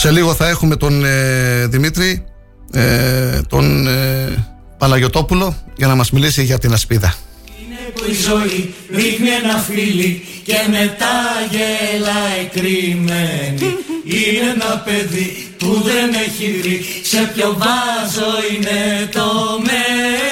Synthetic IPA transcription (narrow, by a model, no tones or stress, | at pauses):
se̞liɣo̞θɐe̞xume̞t̪o̞n | ðimit̪ɾi | t̪o̞̰n | pɐnɐʝo̞t̪o̞pulo̞ʝɐnɐmɐzmilisiʝɐt̪inɐspiðɐ | izoiɾixnienɐfili | ce̞me̞t̪ɐʝelɐekɾimeniinenɐpe̞ði | puðeneçivɾi | se̞pçovɐzoinet̪ome